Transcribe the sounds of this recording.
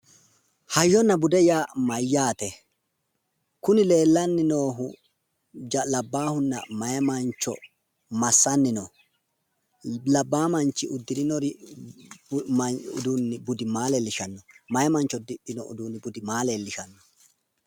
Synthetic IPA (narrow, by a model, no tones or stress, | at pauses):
hɐjːɔnːɐbʊd̪ɛjaːmɐjːaːt̪ɛ | kʊnɪle̞ːlːɐnːɪno̞ːɦʊ | d͡ʒɐlɐbːaːhʊnːɐ̰mɐjɐmɐnt͡ʃːɔ̰ | mɐsːɐnːɪnɔ | lɐbːaːmɐnt͡ʃːɪʔʊd̪ːɪɾɪnɔɾɪ | ʊ̰d̪unːɪbʊd̪ɪmaːlelːɪʃɐnːɔmɐjɐmɐnt͡ʃːɔd̪ɪpʼːɪnɔʊ̰d̪uːnːɪbʊd̪ɪmaːleːlːɪʃɐnːɔ̥